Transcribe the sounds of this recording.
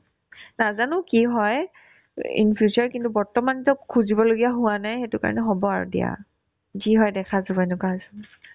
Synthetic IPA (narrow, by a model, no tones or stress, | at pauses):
nazanʊkiɦɔj | ḭnpʰjuzaɹkintubɔɹtɔmanzɔkkʰːuzibɔloɡijaɦʊanajxetʊka̰ɹɔ̰nɛɦɔbɔaɹṵdḭa̰ | ziɦɔjdɛkʰazɔbɛnʊkaasɛn